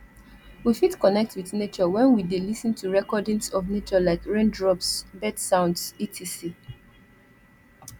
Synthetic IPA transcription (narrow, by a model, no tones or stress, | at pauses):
wifitkɔnɛk̚twiθnet͡ʃɔwɛ̃nwidelisə̃ntʰuɹɛkɔdĩŋsɔvnet͡ʃɔlaɪkɹẽndɹɔpsbɛdsãʊ̃ndsitʰisi